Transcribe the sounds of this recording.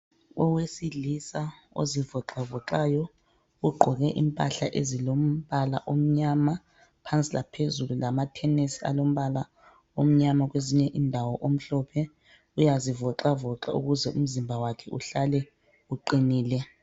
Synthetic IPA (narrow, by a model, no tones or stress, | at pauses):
ɔwesilisa | o̰zivɔǁavɔǁajɔ | uɡ͡ǃʱɔɣɛʔimpʼa̰ɬaʔezilom̩βala̰ʔom̩ɲama | pʰant͡sʼilapʰezululamatʰɛnesia̰lom̩βala | om̩ɲamaɣweziɲɛʔindʱawɔʔom̩ɬɔːpʰɛ | ujazivɔǁavɔǁa̰ṵɣuzɛʔum̩zimbʱawakʰɛʔuɬalɛ | uǃiniːlɛ